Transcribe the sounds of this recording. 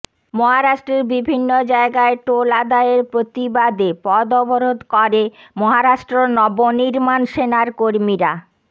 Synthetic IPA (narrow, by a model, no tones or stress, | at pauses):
mɔɦaɾaʃʈɾeɾbibʱinːod͡ʑaeɡaeʈolad̪aeɾpɾot̪ibad̪epɔd̪ɔboɾod̪kɔɾemɔɦaɾaʃʈɾonɔboniɾmanʃenaɾkoɾmiɾa